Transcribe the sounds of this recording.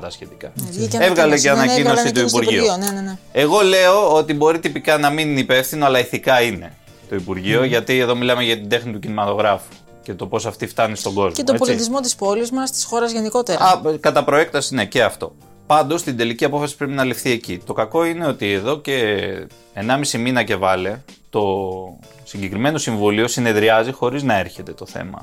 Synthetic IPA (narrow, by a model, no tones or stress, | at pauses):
ɐsçe̞t̪ikɐevɣɐleceɐnɐcinosit̪uipuɾʝioonnenee̞ɣo̞le̞o̞ot̪ibo̞ɾit̪ipikɐnɐminipe̞fθino̞ɐlɐiθikɐine̞̰ | t̪o̞ipuɾʝio̞ʝɐt̪ie̞ðo̞milɐme̞ʝɐt̪ind̪e̞xnit̪ucinimɐt̪o̞ɣɾɐfu̥ | ce̞t̪o̞po̞sɐft̪ift̪ɐnist̪o̞ɡo̞zmet̪oepolsit̪izmo̞t̪ispo̞lizmɐst̪i̥sxo̞ɾɐzʝe̞niko̞t̪eɾɐɐkɐt̪ɐpɾo̞ek̚t̪ɐsinece̞ɐft̪o̞̰ | pɐnd̪o̞st̪ind̪e̞liciɐpo̞fɐsi̥pɾepinɐlifθie̞cit̪o̞kɐko̞ine̞o̞t̪ieðo̞ce̞ː | nɐmisiminɐce̞vɐle̞t̪o̞ | siɲɟekɾime̞no̞siɱvulio̞sine̞ðɾiɐzixo̞ɾiznɐe̞ɾçe̞t̪e̞t̪o̞θe̞̰mɐ̰